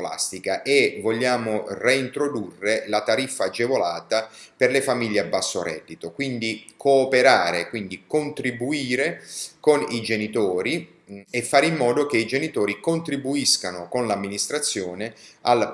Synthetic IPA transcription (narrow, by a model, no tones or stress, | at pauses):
la̰st̪ikaʔevoʎːaːmoreint̪ɾod̪urːelat̪aɾifːaːd͡ʒːevolaːt̪aperlefamiʎːeabːasːo̰ɾɛ̰d̪ːit̪okwind̪ikʰoːpeɾaːɾekwind̪ikont̪ɾibuiːɾekonid͡ʒenit̪ɔːɾi | efːaːɾimːɔːd̪okeid͡ʒenit̪ɔːɾikont̪ɾibuiskanokonlamːinist̪ɾat̪sːjɔːneal